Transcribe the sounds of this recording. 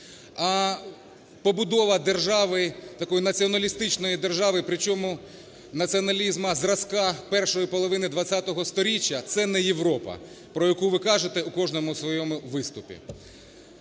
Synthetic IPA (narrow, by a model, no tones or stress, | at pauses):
ɐ | pɔbʊd̪ɔʋɐd̪erʒɑʋɪt̪ɐkɔjinɐt͡sʲiɔnɐlʲist̪ɪt͡ʃnɔjid̪erʒɑʋɪpɾɪt͡ʃɔmʊ | nɐt͡sʲiɔnɐlʲizmɐzrɐskɑpɛrʃɔjipɔlˠɔʋɪnɪd̪ʋɐt͡st͡sʲːat̪ɔɦɔst̪ɔɾʲit͡ʃʲːɐt̪sɛnɛjeʋɾɔpɐ̰ | pɾɔjɐkuʋɪkɑʒet̪ɛukɔʒnɔmʊsʋɔjɔmʊʋɪst̪ʊpʲḭ